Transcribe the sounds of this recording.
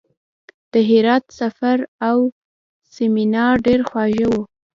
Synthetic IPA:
d̪̥əɦɪɾɑt̪safaɾaw | seminɑɾɖeɾxwɑʒəwu

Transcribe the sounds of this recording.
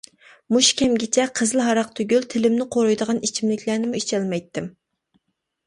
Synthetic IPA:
muʃkʲɛmɡʲɪt͡ʃʰɛqʰəzɨlˠɦɑɾɑq̚t̪ʰøɡʲylt̪ʰɪlɪmnɪqʰoɾojd̪əʁɑnit͡ʃʰimlɪkʲʰlæɾnɪmuit͡ʃʰɛlmɛjt̪ːɪm

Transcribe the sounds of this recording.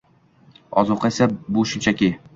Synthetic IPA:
ɒ̰zuqʰɑsabʊʃʊmt͡ʃʰakʲi

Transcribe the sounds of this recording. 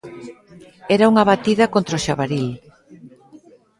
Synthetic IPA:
ɛɾauŋaβat̪iðɐkont̪ɾoʃaβaɾil

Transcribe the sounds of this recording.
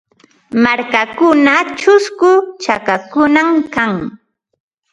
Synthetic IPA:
maɾkakʊnat͡ʃʊskʊt͡ʃakakʊnamkaŋ

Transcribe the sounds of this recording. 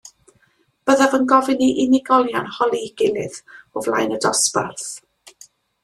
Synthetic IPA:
b̥əðavənɡɔvɪniʔɪnɪɡɔlˠjanhɔlˠiɡ̥ɪlɪðʊvlˠa̰jnədɔspa̰rθ

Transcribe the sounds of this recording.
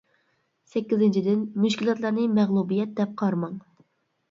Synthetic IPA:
sɛkʲːizɪnt͡ʃʰid̪ɪnmuʃkʲilˠɑt̪lˠɑɾnɨmɛʁlˠubijɛt̪̚d̪ɛp̚qʰɑɾmɑŋ

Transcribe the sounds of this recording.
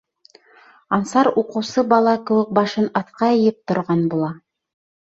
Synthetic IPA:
ɑnsɑɾuqɤ̆wsɤbɑlˠɑkɘ̆wɘk̚bɑʃɤnɑθqɑɤ̆jɘp̚t̪ŏɾʁɑnbulˠɑ

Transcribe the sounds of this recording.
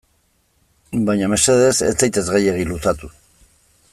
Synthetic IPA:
bajɲame̞se̞ðe̞sḛt͡sejt̪e̞zɣaje̞ɣ̞ilusat̪u

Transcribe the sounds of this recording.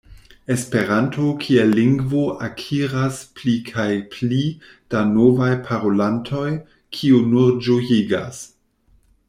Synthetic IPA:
e̞spe̞ɾantʰokʰielːiŋɡvoʔakʰiɾasplikʰajpli | d̥anovajpʰaɾolantʰo̞j | kʰiunuɾd͡ʒojiɡa̰s

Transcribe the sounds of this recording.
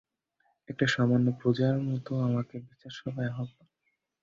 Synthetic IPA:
ek̚ʈaʃɔmanːopɾod͡ʑaɾmɔt̪oamakebit͡ɕaɾʃɔb̪ejaɦɔt̪o

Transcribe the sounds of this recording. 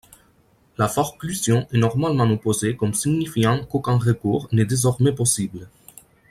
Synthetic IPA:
lafɔʁklysjɔ̃ʔɛnɔʁmalmɑ̃opozekɔmsiɡɲifjɑ̃kokɛ̃ʁəkuːʁnɛd̪ezɔʁmɛpɔsiblə

